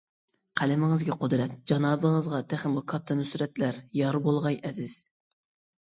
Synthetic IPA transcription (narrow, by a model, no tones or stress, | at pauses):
qʰælɪmɨŋɨzɡʲɛqʰod̪ɾɛt̪̚d͡ʒɑnɑːbəŋəzʁɑt̪ʰæχmʊkʰɑt̪ʰːɑnysɾɛt̪læɾjɑɾbolˠʁɑjʔɛzɪz̥